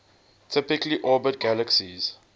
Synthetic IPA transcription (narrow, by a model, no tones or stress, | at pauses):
tʰɪpɪkliʔɔːbət̚ɡæləksiz̥